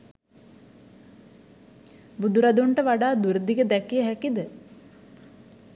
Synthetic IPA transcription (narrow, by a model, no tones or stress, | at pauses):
bud̪uɾad̪uɳʈəʋaɖaːd̪uɾəd̪iɡəd̪ɛkijəɦækid̪ə